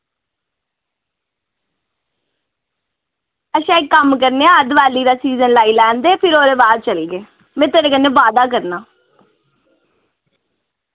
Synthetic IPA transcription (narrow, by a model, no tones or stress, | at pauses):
əʃãːɪkːəmkəɾneːəd̪ʋaːliːɾaːsiːzənlaːiːlɛːnd̪eːpʰɪɾoːɾeːʋaːɾt͡ʃəlɡeː | mɛ̃ːt̪eːɾeːkənːẽːʋaːd̪aːk̬əɾnaː